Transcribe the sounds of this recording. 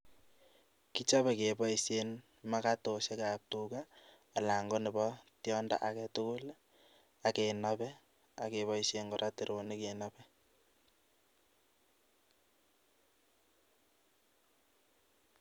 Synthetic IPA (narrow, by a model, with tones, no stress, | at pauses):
ki˦t͡ʃa˦bɛ˨ke˨bɔ˦i˦se˦n | ma˦ka˦to˨se˦ka˨p̚tu˦kaː˦˨ | la˨ŋɡɔ˦ne˨bɔ˦tjɔ˦nda̰˦ʔa˨kɛ˦tʊ˦kʊ˦l | a˨ke˨nabɛ˦ | a˨ke˨βɔ˦ise˨ŋɡɔ˨ɾʔa˦te˨ɾo˨ni˦ke˨nabɛ˦